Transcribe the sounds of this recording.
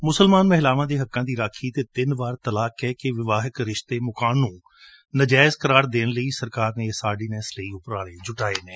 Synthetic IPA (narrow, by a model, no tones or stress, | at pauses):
mʊsəlmaːnməɦlaːʋãːd̪eːɦəkːãːd̪iːɾaːkʰiːt̪eːt̪ɪnʋaːɾt̪əlaːkɛːkɪʋɪʋaːɦɪkɾɪʃt̪eːmʊkaːnːũː | nəd͡ʒaːɪzkəɾaːɾd̪eːnləiːsəɾkaːɾneːsaːɖiːnɛːsləiːʊpɾaːɽeːd͡ʒʊʈaːeːneː